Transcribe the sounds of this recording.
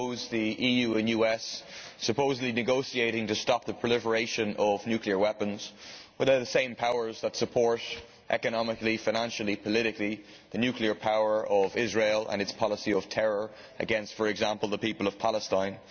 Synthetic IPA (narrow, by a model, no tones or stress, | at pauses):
oʊzðiʔiːjʉːə̃njʉɛsːəpʰoʊzədˡlinɨɡoʊsieɪɾɪ̃ŋtɨstɑp̚ðəpʰɹ̥ɪlɪfə˞eɪʃə̃nʔʌvnjʉkliə˞wɛpə̃nz̥wɪðə˞ðəsẽɪ̃mpʰaʊə˞zðətsəpʰɔɹt | ʔɛkənɑmɪklifaɪñãnʃl̩ˠipʰəlɪɾɪkli | ðənjʉkliə˞pʰaʊə˞ʔʌvɪzɹeɪlə̰̃nɨtspʰɑlˠəsiʌv̥tʰɛɹə˞ | ə̰ɡɛ̃nstfə˞ɛɡzãmpəlˠðəpipəlˠʌv̥pʰaləstãɪ̃n